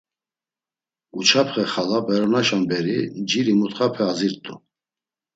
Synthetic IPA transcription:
ut͡ʃʰapʰχɛχalabɛɾɔnaʃambɛɾid͡ʒiɾimut̪χapʰɛaziɾt̪ʼṵ

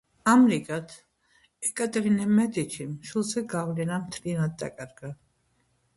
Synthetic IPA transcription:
amɾikʼat̪ʰ | ɛkʼat̪ʼɛɾinɛmɛd̪it͡ʃʰimʃulˠzɛɡavlɛnamt̪ʰlianad̪̚ːa̰kʼaɾɡa

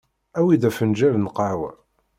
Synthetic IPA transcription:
æwiðæfənd͡ʒævnqɑʕwæ̰

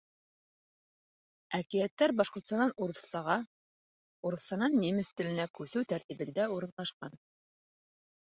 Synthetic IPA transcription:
ækijæt̪ːæɾbɑʃqŏɾt̪st̪ɑnɑnuɾ̆sɑʁɑ | uɾɤ̆θsɑnɑnːimɘ̆st̪ɘ̆lɘ̆nækʉsɘwt̪æɾt̪ibɘ̆nd̪æuɾɤ̆nlˠɑʃqɑn

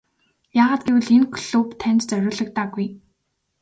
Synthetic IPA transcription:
jaːʁaːt̪̚ɡewɘ̆ɮenkʰɮupt̪ʰænʲt͡ɕ̪t͡sœɾʲʊːɮɞ̆k̚t̪aːɡuj

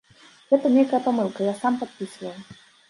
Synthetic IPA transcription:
ɣɛt̪ɐnʲejkəjəpamɨlˠkɐjasampat̪̚pʲisɨvəlˠ

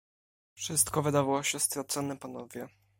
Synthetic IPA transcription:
fʂɘst̪kɔvɘd̪avawɔɕɛst̪ɾɔt̪sɔnɛpanɔvʲjɛ

